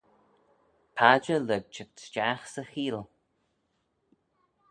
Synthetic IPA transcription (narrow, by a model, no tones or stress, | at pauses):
pʰad͡ʒələɡ̚t͡ʃətt͡ʃaxsəxiːl